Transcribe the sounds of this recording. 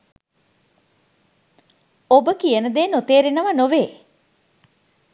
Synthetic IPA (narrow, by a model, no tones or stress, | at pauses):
obəkijənəd̪eːnot̪eːɾenəʋənoʋeː